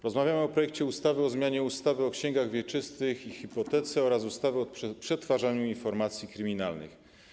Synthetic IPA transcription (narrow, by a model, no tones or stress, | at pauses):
ɾɔzmavʲjamɘɔpɾɔjɛkt͡ɕɛust̪avɘɔzmʲjaɲɛust̪avɘɔkɕɛŋɡaɣvʲjɛt͡ʂɘst̪ɘxixipɔt̪ɛt̪sɛɔɾasust̪avɘɔpʂɛt̪faʐaɲuinfɔɾmat̪sʲjikɾɘmʲinalnɘ̰x